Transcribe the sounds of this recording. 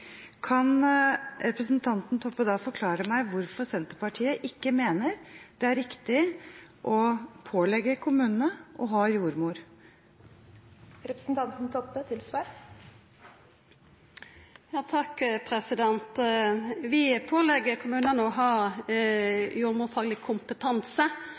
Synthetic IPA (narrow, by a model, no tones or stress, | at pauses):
kʰɑn | ɾɛpɾəsn̩t̪ʰɑnt̪n̩t̪ʰɔpːəd̪ɑːfɔɾkʰlɑːɾəmæɪʋʊɾfɔɾsɛnt̪əɾpɑʈʰiːəʔɪkːəmeːnəɾd̪̥ɛæɾɪkt̪ɪʔɔpʰoːlɛɡəkʰʊmʉːnnəʔɔɦɑːjuːɾmuːɾ | ɾɛpɾə̥sn̩t̪ʰɑnt̪n̩t̪ʰɔpːət̪ʰɪlsʋɑːɾ | jɑːt̪ʰɑkpʰɾɛsɪd̪ɛnt̪ | ʋɪpʰoːlɛɡəɾkʰʊmʉːnənəɔɦɑ | juːɾmuːfɑːɡlɪkʰʊmpət̪ʰɑnsə